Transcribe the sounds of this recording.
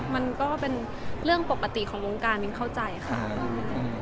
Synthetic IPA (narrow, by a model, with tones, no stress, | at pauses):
ma˧nkɔː˥˩pe˧n | ɾɯ˥˩əŋpo˨˩kːa˧t̪i˨˩kʰɔː˩˦wo˧ŋkaː˧nmi˧ŋkʰa˥˩wt͡ɕa˧jkʰa̰˦˩ɔ˥˩m˧